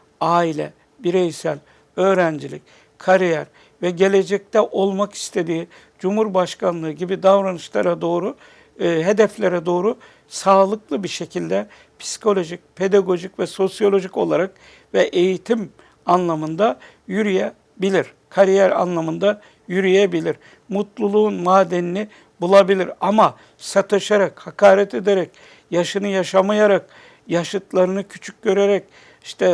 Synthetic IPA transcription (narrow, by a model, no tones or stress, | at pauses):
aːilʲɛ̰ | biɾejsælʲ | ø̞ːɾænd͡ʒilʲḭc | kʰaɾijæɾ | vɛɟe̞lʲe̞d͡ʒɛc̚t̪ʰɛʔo̞lˠmaki̥st̪ʰe̞d̪iː | d͡ʒumhuɾbaʃkʰanlˠɯːɟibid̪avɾanɯt͡ʃlˠaɾad̪o̞ːɾu | ɦe̞d̪ɛflʲeɾɛd̪o̞ːɾu | saːlˠɯklˠɯbiɾʃe̞cʰilʲd̪ɛ | pʰi̥si̥kʰo̞lʲo̞ʒic̚pʰe̞d̪aɡo̞ʒicvɛso̞sjo̞lʲo̞ʒico̞̰lˠaɾak | vɛʔe̞jit̪ʰim | anlˠamɯnd̪a | jyɾijɛ | bilʲiɾ̥ | kʰaɾijæɾa̰nlˠamɯnd̪a | jyɾyjebilʲiɾ | mut̪lˠulˠuunmaːd̪ɛnini | bulˠabilʲiɾama | sat̪ʰɯʃaɾakhakʰaːɾɛt̪ʰed̪eɾɛc̚ | jaʃɯnɯjaʃamajaɾak | jaʃɯt̪lˠaɾɯnɯcʰy̥t͡ʃʰy̥c̚ʲɟø̞ɾeɾɛc̚ | iʃt̪ʰɛ